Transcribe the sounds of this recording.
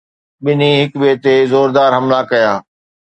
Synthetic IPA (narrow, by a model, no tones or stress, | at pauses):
ɓɪniɦɪkbiət̪ezoːɾd̪aːɾɦɐmlakɐjaː